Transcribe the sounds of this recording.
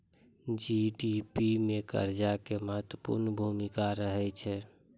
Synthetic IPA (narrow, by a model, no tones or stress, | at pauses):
d͡ʒiɖipimekə̰ɾd͡ʒakeməɦət̪wəpṵɾnəbʱumikaɾəɦɛt͡ʃʰɛ